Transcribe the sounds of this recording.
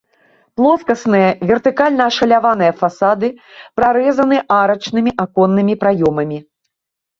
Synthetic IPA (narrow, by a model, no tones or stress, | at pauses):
plˠɔskɐsnɨjɐvʲɛrt̪ɨkalʲnɐːʂɐlʲavanɨjɐfasad̪ɨpɾaɾɛzɐnɨʔaɾɐt͡ʂnɨmʲiʔakɔnːɨmʲipɾajɔmɐmʲi